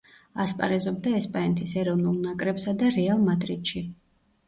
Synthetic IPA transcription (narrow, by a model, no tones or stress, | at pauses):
aspʼa̰ɾɛzɔb̚d̪aɛspʼaɛnt̪ʰisɛɾɔvnulˠnakʼɾɛpsad̪aɾɛalˠmad̪ɾid̪̥ʃi